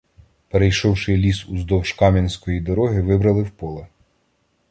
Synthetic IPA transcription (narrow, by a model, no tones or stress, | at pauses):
peɾejʃɔwʃɪlʲisuzd̪ɔwʃkɑmʲinʲsʲkɔjid̪ɔɾɔɦɪʋɪbɾɐlˠɪwpɔlˠɛ